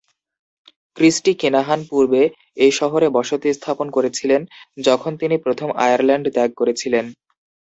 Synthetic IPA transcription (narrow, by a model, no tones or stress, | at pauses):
kɾisʈikenaɦanpuɾbe | ejʃɔɦoɾebɔʃot̪ist̪ʰaponkoɾet͡ɕʰilend͡ʑɔkʰont̪inipɾot̪ʰoma̰jaɾlɛɳɖd̪ɛɡ̚koɾet͡ɕʰilen